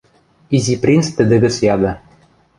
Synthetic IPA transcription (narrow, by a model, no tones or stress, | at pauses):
izʲiprʲinst̪ɘ̆d̪ɘ̆ɡɘ̆sjɑd̪ɤ̆